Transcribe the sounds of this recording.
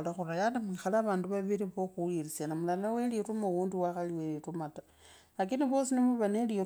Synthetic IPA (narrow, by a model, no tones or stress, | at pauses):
laxurajanamixalaːβaːnduβaβiɾiβoxuirisanamulanawelirumowuːndiwaxaliwelirumata | lakiniβo̞ːsinimuβaneli